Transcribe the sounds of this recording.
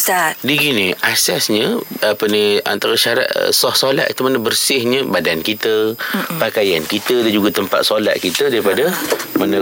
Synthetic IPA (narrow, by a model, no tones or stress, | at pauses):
sadiɡiniʔasɛsɲəapənĩa̰nt̪aɾaʃaɾa̰t̪sɔhsola̰ʔ̪it̪umanəbərsɪhɲəbadankit̪əpakajankit̪ədaɲd͡ʒuɡat̪əmpa̰t̪̚sola̰ʔ̪̚kit̪ədaɾipadəmanə